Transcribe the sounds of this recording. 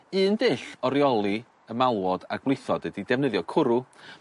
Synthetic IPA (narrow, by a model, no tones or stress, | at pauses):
ɨːndɪɬɔɾjɔlˠi | əmalˠwɔd̥a̰ɡwlˠɪθɔd̥ədidɛvnəðjɔkʰʊɾu